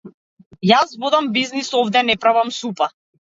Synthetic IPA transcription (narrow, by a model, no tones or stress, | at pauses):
jazvɔd̪ambiznisɔvd̪ɛnɛpɾavamsupa